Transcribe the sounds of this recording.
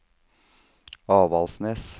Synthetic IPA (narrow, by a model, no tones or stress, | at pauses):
ɑːʋɑlsnɛs